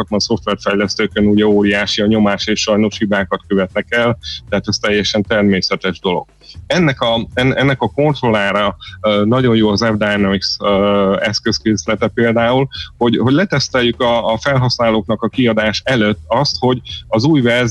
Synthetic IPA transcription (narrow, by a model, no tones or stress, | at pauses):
ɒt̪mɒnso̞ft̪ʋɛrfɛjlɛst̪øːkønuɟɛoːɾijaːʃiɒɲo̞maːʃeːʃʃɒjno̞ʃhibaːkɒt̪køvɛt̪nɛkɛlt̪ɛɦaːt̪ɛst̪ɛjːɛʃɛnt̪ɛrmeːsɛt̪ɛʒd̪o̞lo̞̰ɡ̥̚ | ɛnːɛkɒɛnɛnːɛkɒko̞nt̪ro̞laːɾɒnɒɟo̞njoːɒzɛvd̪aniks | ɛskøskeːslɛt̪ɛpeːld̪aːulho̞ɟho̞ɟlɛt̪ɛst̪ɛjːykɒːfɛlɦɒsnaːloːknɒkɒkiɒd̪aːʃɛløt̪ːɒst̪ho̞ɟɒzuːjvɛrz